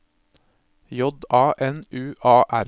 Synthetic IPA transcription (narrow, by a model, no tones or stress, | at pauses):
jɔd̪ɑːʔɛnʉːʔɑːʔæɾ